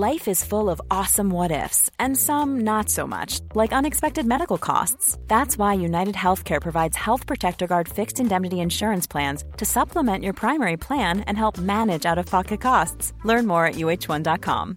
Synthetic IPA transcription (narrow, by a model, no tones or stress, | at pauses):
laɪfɨz̥fʊlˠʌvɔsə̃mwʌɾɪ̰fsɨ̃nsʌ̃mnətsoʊmʌ̰t͡ʃlaɪkʌ̃nɨkspɛk̚tɨd̚mɛɾɨkl̩ˠkʰɔ̰stsðætswaɪjʉnaɪɾɨd̚hɛlˠθkʰɛɹpʰɹ̥ɨvaɪdz̥hɛlˠθpʰɹ̥ɨtʰɛk̚tə˞ɡɑɹd̥fɪkstɨ̃ndɛmnɨɾiɨ̃nʃʊɹɨ̃nspʰl̥æ̃nz̥tʰɨsʌpʰləmɛ̃nʔə˞pʰɹ̥ãɪ̃mɛɹipʰl̥æ̃nɨ̰̃nɦɛlˠp̚mænɨd͡ʒaʊɾʌv̥pʰɑkɨt̚kʰɔstslɜ̃˞nmɔɹɨ̰ʔjʉeɪt͡ʃwʌ̃ndɑt̚kʰɑ̰̃m